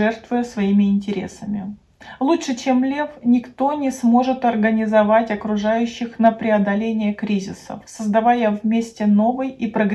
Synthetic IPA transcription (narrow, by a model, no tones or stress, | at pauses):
ɛrt̪vʊjəsvɐimʲɪɪnʲtʲɪɾʲḛsəmʲɪ | lˠutʂɨt͡ɕe̞mlʲe̞fnʲɪkt̪o̞nʲɪsmo̞ʐɨt̪ɐrɡənʲɪzɐvatʲɐkɾʊʐajʉɕːɪxnəpɾʲɪɐd̪ɐlʲenʲɪjəkɾʲizʲɪsə̰fsəzd̪ɐvajəvmʲesʲtʲɪno̞vɨjipɾəɡɾʲ